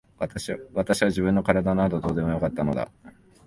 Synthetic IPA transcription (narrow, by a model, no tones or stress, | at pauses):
βat̪aɕiβaʑibɯ̟nːo̞kaɾad̪anad̪o̞d̪o̞ːd̪e̞mo̞jo̞kat̪ːano̞̰d̪a̰